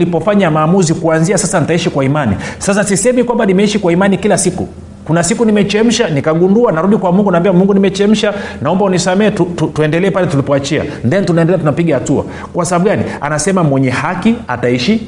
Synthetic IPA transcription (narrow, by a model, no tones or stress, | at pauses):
lipɔfaɲamaːmuzikuanziasasanitaiʃikwaimanḭsasasisɛmikwambanimɛiʃikwaimanikilasikṵ | kunasikunimɛt͡ʃɛm̩ʃanikaɠunduanaɾuɗikwamuŋɡunambiamuŋɡunimɛt͡ʃɛm̩ʃanaɔmbaunisamɛːtututuɛndɛlɛɛpalɛtulipɔat͡ʃia̰ndɛnitunaɛndɛlɛatunapiɠahatua̰ | kwasahaɓuɠanḭa̰nasɛmamwɛɲɛhakia̰taiʃi